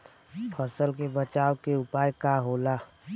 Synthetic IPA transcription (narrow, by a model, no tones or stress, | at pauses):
pʰəsəlkebət͡ʃaːwkeʊpaːjkaɦolaː